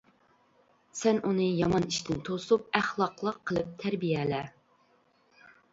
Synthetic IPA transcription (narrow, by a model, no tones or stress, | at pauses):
sɛnunɨjɑmɑniʃt̪ʰɪnt̪ʰosup̚æχlˠɑqlˠəqʰːəlˠɨp̚t̪ʰæɾbijɛlɛ